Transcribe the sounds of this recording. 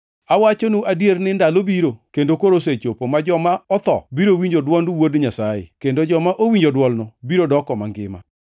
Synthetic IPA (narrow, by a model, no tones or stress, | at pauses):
awat͡ʃonuʔadjernɪndalobiɾokendokoɾos̬et͡ʃopomad͡ʒɔmaɔt̪ɔ̰biɾowiɲd͡ʒodwɔndwodɲasajḛkendod͡ʒɔmaʔowiɲd͡ʒodwɔlnɔbiɾodɔkɔma̰ŋɡɪma̰